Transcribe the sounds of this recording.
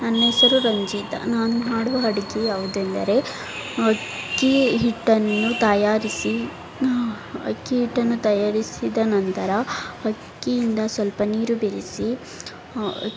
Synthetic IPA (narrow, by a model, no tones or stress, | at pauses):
nɐnːeːsɐɾuɾɐɲd͡ʒiːt̪ɐ̰naːnunaːɽuʋɐɦɐɽɐɡijaːʋud̪uend̪ɐ̰ɾe̞ | ɐkkːiɦiʈːɐnːut̪ɐjaːɾisi | ɐ̰kːiɦiʈːɐnːut̪ɐjaːɾisid̪ɐnɐnt̪ɐɾɐhɐkːijind̪ɐsʋɐlpɐniːɾubeɾisi